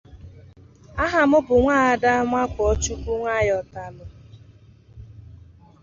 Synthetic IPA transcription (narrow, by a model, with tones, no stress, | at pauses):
a˦ɦa˨mʊ˦bʊ˨ŋʷaː˦˨a˨da˦ŋʷa˦kʷɔɔ˦t͡ʃu˦ku˦ŋʷa˦˨jɔ˨ta˨lʊ˨